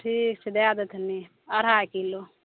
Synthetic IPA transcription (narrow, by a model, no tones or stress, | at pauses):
ʈʰiːkt͡ʃʰed̪eaːd̪ɐt̪ʰɐni | ɐɾaːkilo